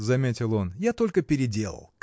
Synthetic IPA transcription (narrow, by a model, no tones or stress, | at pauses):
zɐmʲetʲɪlˠo̞njat̪o̞lʲkəpʲɪɾʲɪdʲe̞lˠə̰lˠk